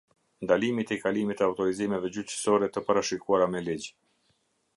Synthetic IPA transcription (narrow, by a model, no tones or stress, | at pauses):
nd̪alimit̪ɛkalimit̪əawt̪ɔɾizimɛvɛd͡ʑyt͡ʃə̥sɔɾɛt̪əpaɾaʃikuaɾamɛlid͡ʑ